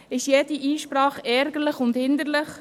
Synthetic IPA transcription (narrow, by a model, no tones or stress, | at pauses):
ɪʃjed̥iʔiːʃpɾɑːχɛɾɡəɾləχʊndhɪnd̪əɾlɪχ